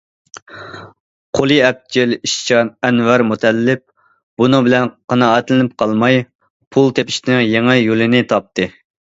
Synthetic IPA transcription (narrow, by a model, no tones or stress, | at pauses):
qʰolˠiɛp̚t͡ʃiliʃt͡ʃʰɑnɛnwɛɾmut̪ʰɛlːɪp̚ | b̥unɨŋbɪlɛnqʰɑnɑɛt̪lɪnɪp̚qʰɑlˠmɑj | pʰulˠt̪ʰepɪ̥ʃt̪ɪnɪŋjeŋɛjolˠɪnɪt̪ʰɑp̚t̪ʰɨ